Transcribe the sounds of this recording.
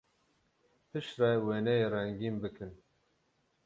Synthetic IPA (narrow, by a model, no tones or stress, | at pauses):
pʰɨʃrɛweːnɛjeːrɛŋɡiːmbɨkʰɨn